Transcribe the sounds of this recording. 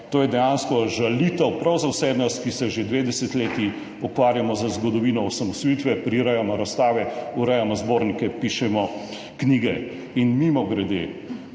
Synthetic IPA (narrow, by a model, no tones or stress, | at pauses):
t̪oːjɛd̪ɛjanskɔʒalit̪əwpɾawzawsɛd̪nast̪kisɛʒed̪ʋeːd̪ɛsɛt̪leːt̪i | ɔkʋaːɾjamɔzɐzɡɔd̪ɔʋiːnɔɔsamɔst̪iːt̪ʋɛpɾiɾɛjamɔɾast̪aːʋɛuɾɛjamɔzboːɾnikɛpiʃɛmɔ | kniːɡɛ | inmimɔɡɾɛd̪ḛ